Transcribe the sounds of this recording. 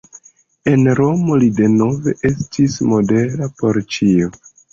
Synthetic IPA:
e̞nɾo̞mo̞lide̞no̞ve̞ʔe̞stʰismo̞de̞ɾapo̞ɾt͡ʃio

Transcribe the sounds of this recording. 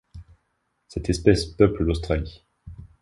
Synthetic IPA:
sɛt̪ɛspɛspœpləd̪ost̪χali

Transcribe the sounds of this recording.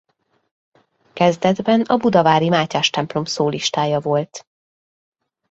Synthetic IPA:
kɛzd̪ɛd̪bɛnɒbud̪ɒvaːɾimaːcaːʃt̪ɛmplo̞msoːliʃt̪aːjɒvo̞lt̪

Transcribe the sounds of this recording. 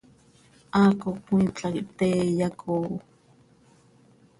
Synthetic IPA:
ʔaːkokʷĩːt͡ɬʼakt̪eːjakʰo

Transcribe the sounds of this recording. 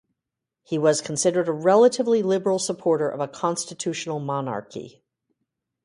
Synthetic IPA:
hiwʌz̥kʰn̩sɪɾə˞ɾəɹɛlˠəɾɨvlilɪbə˞l̩ˠsəpʰɔɹɾə˞ʔʌ̰vəkʰɑ̃nstɨtʰʉʃn̩l̩ˠmɑnɑ̰ɹkḭ

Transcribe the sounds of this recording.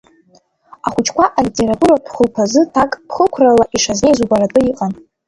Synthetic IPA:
aχʷʊt͡ʃʰkʷaʔalitʼe̞ɾatʼuɾapʰχəlpʰazɨtʰakʼpʰχəkʷʰralaʔiʂaznejzuɡʷaɾatʼɨiqʼan

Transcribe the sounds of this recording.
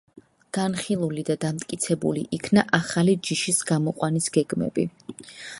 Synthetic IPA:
ɡ̥anχilˠulid̪ad̪amt̪ʼkʼit̪sʰɛbṵlḭʔikʰnaʔaχalid͡ʒiʃisɡ̥amɔqʼwanisɡ̥ɛɡmɛ̰bḭ

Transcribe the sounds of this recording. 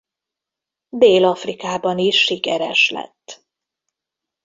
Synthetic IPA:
d̪eːlɒfrikaːbɒniʃːikɛɾɛ̰ʃlɛ̰t̪ː

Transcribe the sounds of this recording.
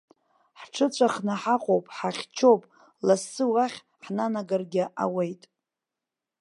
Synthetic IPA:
ħʈ͡ʂʰɨt͡ɕʷʰaχnaħaqʼowpʼħaχʲt͡ʃʰowpʼ | lasːɨwaχʲ | ħnanaɡarɡʲɪʔa̰wejtʼ

